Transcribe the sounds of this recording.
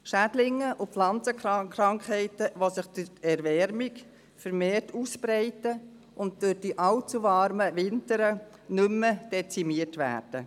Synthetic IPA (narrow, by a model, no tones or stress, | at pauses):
ʃædlɪŋːəʔʊflɑnt͡səkkɾɑŋkɛɪtəʋosɪχd̥ʊtɛɾvɛɾmik | fəɾmeːɾtuːspɾɛɪtə | ʔʊnt̚d̥ʊχd̥iʔɑlt͡suʋɑɾməvɪntəɾə | nʏmːəd̥ɛt͡simiətʋæ̰ːɾd̥ə